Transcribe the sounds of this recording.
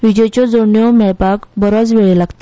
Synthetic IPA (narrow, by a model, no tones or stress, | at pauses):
ʋid͡ʑəjt͡ɕɔd͡zoɳjɔmɛɭpakbəɾɔt͡sʋeɭelaɡt̪ḁ